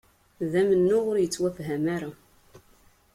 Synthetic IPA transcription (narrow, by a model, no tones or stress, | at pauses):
ðæmənːʊʁʊɾjət͡sːwæfɦæmaɾa